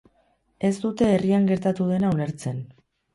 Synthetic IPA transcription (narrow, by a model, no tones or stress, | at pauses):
e̞zd̪ut̪e̞ːriaŋɡe̞ɾt̪at̪uðe̞naune̞ɾt͡se̞n